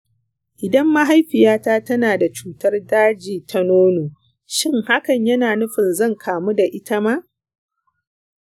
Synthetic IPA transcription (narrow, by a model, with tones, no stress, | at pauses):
ʔɪ˨dɐ˦mːa˦ɦa˦jɸɪ˨jaː˦taː˦tɐ˦naː˨da˨t͡ʃuː˦tɐ˦rdaː˦d͡ʒiː˨tʰa˦noː˦noː˨ | ʃɪ˦ŋha˦kɐ˨ɲjɐ˦naː˨nʊ˦ɸɪ˨nzɐ˦˨ŋkʰaː˨mu˦da˨ʔɪ˦ta˦ma˦ʔ